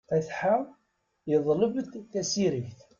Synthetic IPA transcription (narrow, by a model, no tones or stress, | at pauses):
æθħa | jəðˤləbət̪θæsiɾəçθ